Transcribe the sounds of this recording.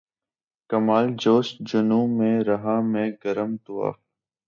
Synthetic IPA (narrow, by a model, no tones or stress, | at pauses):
kəmaːld͡ʒoːʃd͡ʒʊnũːmẽːɾəɦaːmẽːɡəɾəmt̪ua̰ː